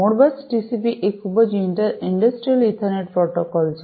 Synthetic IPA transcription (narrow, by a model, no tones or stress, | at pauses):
moɽbasʈisipiʔekʰubɔd͡ʑiɳʈaiɳɖɐsʈɾialiʈ̪ʰaɾneʈ̚pɾɔʈokɔls